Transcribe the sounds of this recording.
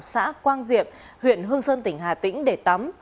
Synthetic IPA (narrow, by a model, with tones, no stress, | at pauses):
w̚sa̰ː˧˥kwaː˧nzḭ˧˨əp̚ | hwḭ˧˨ənɦɨ˧əŋsəː˧nt̪ï˧˩ŋ̟ɦaː˨˩t̪ḭ̈˧˥ŋ̟ɗe˧˩t̪a˨˦m